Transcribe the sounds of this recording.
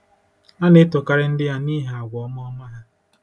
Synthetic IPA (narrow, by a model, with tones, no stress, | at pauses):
a˦nɪ˦tʊ˨ka˦ɾɪ˦n̩˦dɪ˦ja˦niː˦ɦe˨a˨ɡʷɔ˨ɔ˦m˦ɔ˦ma˦ɦa˦